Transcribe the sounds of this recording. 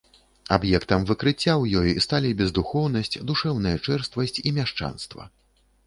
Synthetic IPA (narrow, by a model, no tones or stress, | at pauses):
abjɛkt̪ɐmvɨkɾɨt͡sʲːawjɔjst̪alʲibʲɛzd̪uxɔwn̪ɐsʲt͡sʲd̪uʂɛwnɐjɐt͡ʂɛrst̪vɐsʲt͡sʲimʲaʂt͡ʂa̰nst̪vɐ̰